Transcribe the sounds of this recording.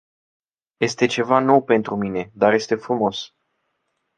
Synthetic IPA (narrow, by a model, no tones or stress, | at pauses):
je̞st̪e̞t͡ʃe̞vano̞wpe̞nt̪ɾumine̞d̪arje̞st̪e̞fɾumo̞s